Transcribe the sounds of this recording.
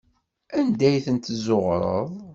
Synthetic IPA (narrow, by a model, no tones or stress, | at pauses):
ænd̪æjθənt̪zoʁɾˤə̰ðˤ